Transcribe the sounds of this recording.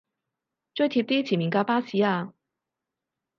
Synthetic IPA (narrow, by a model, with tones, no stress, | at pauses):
t͡ʃœ˥jt̪ʰi˧p̚t̪iː˥t͡sʰiː˨˩mi˨˩ŋkaː˧˥paː˥si˨˧˥aː˧